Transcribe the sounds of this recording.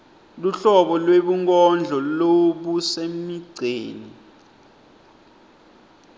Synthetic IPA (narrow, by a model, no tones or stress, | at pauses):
luɬɔɓɔlweɓuŋkʼɔnd͡ɮʱɔloɓusemiɡ͡ǀʱeːni